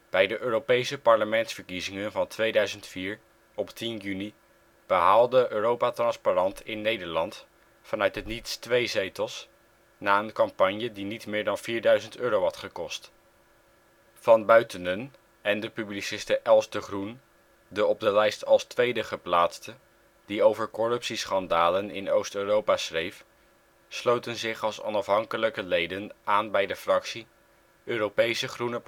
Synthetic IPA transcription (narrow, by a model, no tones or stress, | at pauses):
b̥ɛjdəʔøːropejsəpɑɹləmɛntsfəɹkizɪŋənvɑntʋejdœɥzəntfiːɹ | ɔptinjyni | b̥əɦaːlˠdəʔøːrowpatrɑnsparɑntʰɪnːejdəɹlɑnt | fɑnœɥtɦətnitstʋejzejtəlˠs | naːənkɑmpɑɲjədinitmɪːɹdɑnv̥iːɹdœɥzəntøːɾowɦɑtχəkɔst | v̥ɑnbœɥtənən | ɛndəpyblisɪstəʔɛlˠzdəχrun | dəɔb̚dəlɛjstʰɑlˠstʋejdəχəplaːtstə | d̥iowvəɹkɔrɵpsisχɑndaːlənɪ̰nowstøːrowpasrejf | slowtənzɪχɑlˠsɔ̰nɑfɦɑŋkələkəlejdənaːnbɛjdəfrɑksi | øːrowpejsəχrunə